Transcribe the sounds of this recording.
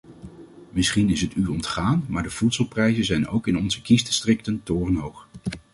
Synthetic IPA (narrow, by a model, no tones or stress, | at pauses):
mɪsχinɪsɦətyːrɔntχaːnmaːɹdəv̥utsəlˠprɛjzənzɛjno̰wkɪnɔnzəkisdəstrɪk̚təntʊːrənɦowχ